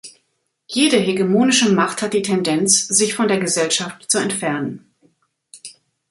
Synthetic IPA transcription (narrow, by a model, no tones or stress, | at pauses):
jeːdəɦeɡəmoːnɪʃəmaχthat̚d̥iːtʰɛndɛnt͡sz̥ɪçfɔndeːɐɡəzɛlʃaftt͡suɛntfɛɐnən